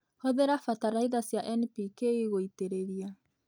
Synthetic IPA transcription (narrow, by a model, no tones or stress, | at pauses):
hɔðeɾafataɾaiðasjaʔɛnpikeiɣoiteɾeɾia